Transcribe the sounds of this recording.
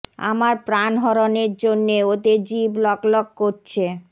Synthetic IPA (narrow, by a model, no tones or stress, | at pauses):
a̰maɾpɾanɦɔɾoneɾd͡ʑonːeot̪ed͡ʑiblɔklɔk̚koɾt͡ɕʰe